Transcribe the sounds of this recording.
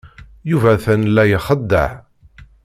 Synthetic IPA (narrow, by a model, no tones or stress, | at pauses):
juvæθænlːæjəχəd̪ːə̰ʕ